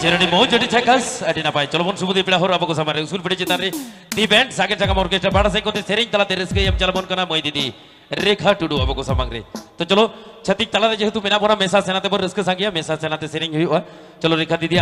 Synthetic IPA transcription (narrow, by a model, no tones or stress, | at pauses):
t͡ʃeɾɔɽimowd͡ʒoʈit̪ʰɛkasəʈinapajt͡ʃɔlobɔnsubud̪ʱipiɽaɦoɾabɔkɔsamaŋɾeuskulpiɽit͡ʃet̪anɾe | d̪ibɛɳʈsaɡeʈʈʰakamɔɾkesʈabaɽas̬ajkɔɾt̪iseɾiŋt̪alat̪eɾəskəjamt͡ʃalamɔnkanamɔjd̪it̪i | ɾekʰaʈuɖuabɔkɔsamaŋɾḛt̪ɔt͡ʃɔlot͡ʃʰət̪ik̚t̪alat̪ed͡ʒeɦet̪umenapɔnamesasenat̪ebɔɾəskəsaŋɡijamesasenat̪eseɾiŋɦujʔa | t͡ʃɔloɾekʰad̪it̪ia